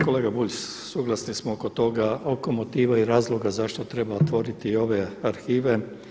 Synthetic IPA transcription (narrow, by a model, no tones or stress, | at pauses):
ko̞leːɡabuʎʲssuɡlˠasnismooko̞t̪o̞ɡaoko̞mot̪iːʋaiɾaːzlˠo̞ɡazaʃt̪o̞t̪ɾe̞baot̪ʋo̞ɾit̪io̞ʋe̞aɾxiːʋe̞